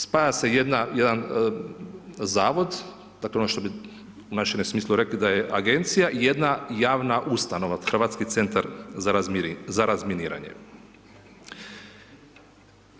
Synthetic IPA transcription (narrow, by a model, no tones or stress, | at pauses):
spaːjase̞jed̪najed̪an | zaːʋo̞d̪ | d̪aːkleonoʃt̪o̞bi | unaʃemmsmiːslˠuɾe̞klid̪ajeʔaɡe̞nt̪sijaʔijed̪najaːʋnaʔust̪ano̞ʋaxrɾʋaːt̪skit̪se̞nt̪aɾzazaɾazminiːɾa̰ɲḛ